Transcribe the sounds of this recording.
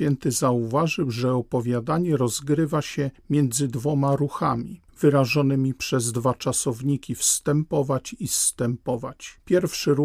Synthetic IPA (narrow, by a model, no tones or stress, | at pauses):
fʲjɛnt̪ɘzauvaʐɘwʐɛɔpɔvʲjad̪aɲɛɾɔzɡɾɘvaɕɛmʲjɛnd̪zɘd̪vɔmaɾuxamʲi | vɘɾaʐɔnɘmʲipʂɛzd̪vat͡ʂasɔvɲikʲifst̪ɛmpɔvat͡ɕist̪ɛmpɔvat͡ɕpʲjɛɾfʂɘɾu